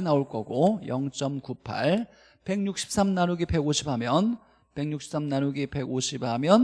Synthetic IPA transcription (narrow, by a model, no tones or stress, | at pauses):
naoɭk͈ʌɡojʌŋt͡ɕ͈ʌmkupʰa̰ɭ | pe̞ŋɲuk̚ɕ͈ʰi̥p̚s͈amnaɾuɡipe̞ɡoɕʰip̚amjʌn | pe̞ŋɲukɕ͈ʰi̥ps͈amnaɾuɡipe̞ɡoɕʰib̚hamjʌn